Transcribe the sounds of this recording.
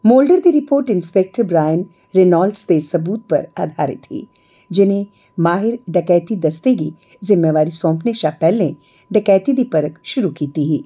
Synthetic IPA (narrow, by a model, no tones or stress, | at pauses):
moːlɖəɾd̪iɾɪpoːɾʈɪ̃nspek̚ʈəɾbɾaːjən | ɾenaːlɖst̪esɐbuːt̪̚pɐ̰ɾa̰ːd̪ʱaːɾɪ̰t̪ʰḭ | d͡ʒɪnɦẽ | maːɦɪɾɖɐkɛːt̪id̪ɐst̪eki | zɪmːeʋaːɾisɔ̃ːmpʰneʃapɛːlẽ | ɖɐkɛːt̪id̪ipɐɾəkʃʊɾukiːt̪iɦiː